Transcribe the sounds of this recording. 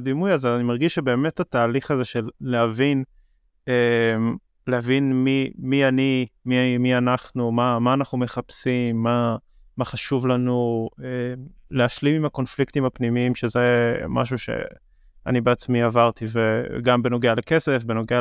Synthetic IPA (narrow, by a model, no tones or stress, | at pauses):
d̪imujazeanimaʁɡiʃʃebe̞ːme̞that̪aːliχaze̞ʃe̞lːeavin | em | lehavinmimianimimianaχnumamaːnaχnume̞χapsimːa | maχaʃuvlanuemleaʃlimimako̞nfliktimhapnimiimʃezema̰ʃ̬uʃḛ | a̰nibeat͡smiavaʁt̪iveɡambenoɡealeke̞se̞fbe̞noɡea